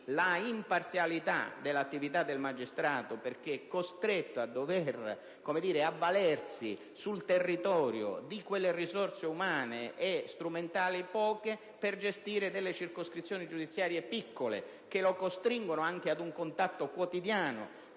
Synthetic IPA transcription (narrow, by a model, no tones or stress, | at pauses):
laimpart̪sjalit̪a̰d̪elːat̪ːivit̪ad̪ːelmad͡ʒist̪ɾaːt̪operk̟eɛkːost̪ɾet̪ːoad̪ːovɛr | komed̪iːɾeavːalɛrsi | sult̪erːit̪ɔːɾjo̰d̪ikwelːerisɔrt̪seumaːneʔɛst̪ɾument̪aːlipɔːke | perd͡ʒest̪iːɾed̪elːet͡ʃirkoskɾit̪sːjoːnid͡ʒud̪it̪sːjaːɾjepikʰːolḛ | k̟elokost̪ɾiŋɡonoaŋk̟ead̪uŋkont̪at̪ːokwot̪id̪jaːno̰